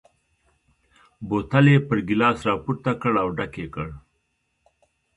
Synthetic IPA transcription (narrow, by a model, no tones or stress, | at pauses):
bot̪alepəɾɡɪlɑːsɾɑpuɾt̪akəɽawɖakekəɽ